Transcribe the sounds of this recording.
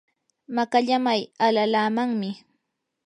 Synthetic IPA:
makaʎamajalalaːmaŋmɪ

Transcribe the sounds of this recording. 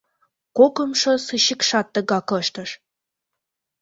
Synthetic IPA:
kokə̆mʃosɨɕikʃɑt̪ːə̆ɡɑkɤ̆ʃt̪ə̆ʃ

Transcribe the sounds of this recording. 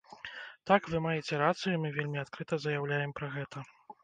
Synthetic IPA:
t̪akvɨmajɛt͡sʲɛɾat̪sɨjumɨvʲelʲmʲiat̪kɾɨt̪ɐzɐjawlʲajɛmpɾɐɣɛt̪ʰɐ

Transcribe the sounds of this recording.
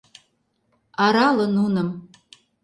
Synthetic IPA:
ɑɾɑlɤ̆nunə̆m

